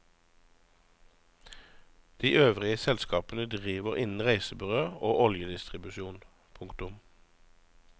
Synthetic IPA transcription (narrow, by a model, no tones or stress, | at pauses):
d̪̥iːʔøːʋʁɪəsɛlskɑːpənəd̪ʁiːʋəʁɪnn̩ʁæɪsəbʁøːoːʔɔljəd̪ɪst̪ʁɪbʉʃuːn | pʰʊŋkt̪ʊm